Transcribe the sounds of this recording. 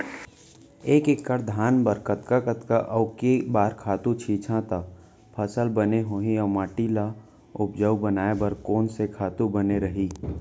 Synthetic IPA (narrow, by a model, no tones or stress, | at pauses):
eːkekːəɾd̪ʱaːnbəɾkət̪kakət̪kaʔɐʊkebaːɾkʰaːt̪ũt͡ʃʰiːt͡ʃʰãt̪a | pʰəsəlbəneɦoːɦĩəmaːʈila | ʊpd͡ʒəwbənaːebəɾkoːnsekʰaːt̪ubəneɾəɦiː